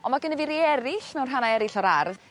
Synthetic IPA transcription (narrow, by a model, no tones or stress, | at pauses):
ɔmaɡənɛvɪɾiɛɾɪɬmɛwnrɦanaɛɾɪɬɔɾarð